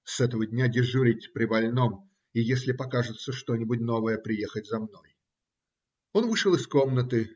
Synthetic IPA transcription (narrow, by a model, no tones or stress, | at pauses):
sɛt̪əvədʲnʲadʲɪʐuɾʲɪtʲpɾʲɪbɐlʲno̞m | ijesʲlʲɪpɐkaʐɨt̪səʂt̪o̞nʲɪbʊtʲno̞vəjəpɾʲɪjexətʲzɐmno̞j | o̞nvɨʂəlˠɨsko̞mnət̪ɨ